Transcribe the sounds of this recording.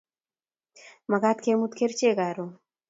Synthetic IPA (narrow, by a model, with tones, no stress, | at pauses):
ma˨ɡa˦t̪kemu˦t̪ke˦ɾt͡ʃe˦ɡa˨ɾo